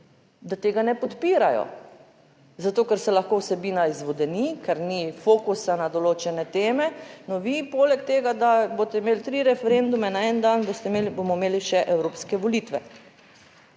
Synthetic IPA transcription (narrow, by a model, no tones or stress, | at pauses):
d̪at̪eːɡanɛpɔt̪piːɾajɔ̰ | zat̪oːkɛɾsɛlaxkowsɛbiːnaizʋɔd̪ɛnikɛɾnifoːkusanad̪ɔloːt͡ʃɛnɛt̪eːmɛnɔʋipoːlɛk̚t̪eːɡad̪aboːt̪ɛimeːlt̪ɾiɾɛfɛɾend̪umɛnaɛnd̪anbost̪ɛbomɔmeːliʃɛʔɛwɾoːpskɛʋolit̪ʋɛ